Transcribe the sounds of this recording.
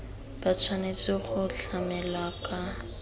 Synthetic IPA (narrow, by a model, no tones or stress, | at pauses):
b̥at͡sʰwanet͡sɪχʊɬamɛlwakʼa